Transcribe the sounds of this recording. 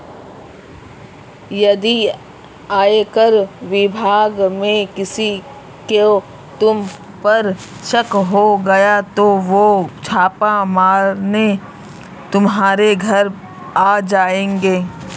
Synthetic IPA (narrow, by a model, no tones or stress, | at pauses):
jɐd̪i | aːekəɾʋɪbʱaːɡmẽkɪsi | ke | t̪ʊm | pɐɾ | ʃəkɦoɡɐjat̪oʋot͡ʃʰaːpamaːɾne | t̪ʊmɦaːɾeɡʱɐɾ | aːd͡ʒaːẽːŋɡeː